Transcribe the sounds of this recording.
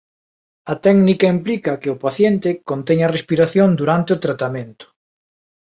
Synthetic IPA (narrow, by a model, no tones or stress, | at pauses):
ɐt̪ɛɡnikɐimplikɐkɪʊpaθjent̪ɪkont̪ɛɲɐrespiɾaθjond̪uɾant̪ɪʊt̪ɾat̪amẽnt̪ʊ̥